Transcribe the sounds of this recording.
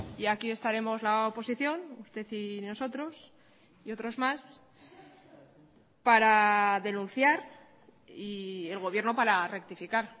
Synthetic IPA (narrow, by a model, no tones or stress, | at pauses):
iakie̞st̪aɾe̞mo̞zlaopo̞siθjo̞nust̪e̞θino̞so̞t̪ɾo̞s | io̞t̪ɾo̞zmas | paɾaðe̞nũnθjaɾ | ie̞lɣ̞o̞βje̞ɾno̞paɾare̞k̚t̪ifikaɾ